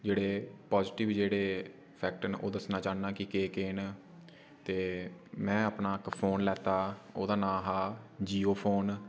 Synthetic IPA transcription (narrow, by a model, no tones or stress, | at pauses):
d͡ʒeːɽeːpaːzʈɪʋd͡ʒeːɽeː | pʰɛːk̚ʈnʔo̰ːd̪əsnãːt͡ʃaːnaːkɪkeːkeːn | t̪eːmɛ̃ːaːpnaːkpʰoːnlɛːt̪aːoːd̪aːnãːɦaːd͡ʒiːoːpʰoːn